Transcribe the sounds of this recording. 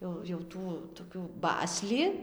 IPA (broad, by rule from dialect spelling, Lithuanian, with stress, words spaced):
ˈjɛʊ jɛʊ ˈtuː toːkʲuː ˈbɑːsʲlʲɪ